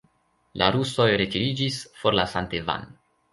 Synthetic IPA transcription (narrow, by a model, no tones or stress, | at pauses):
lʔa̰ɾuso̞jɾe̞tiɾid͡ʒisfo̞ɾlasanteva̰n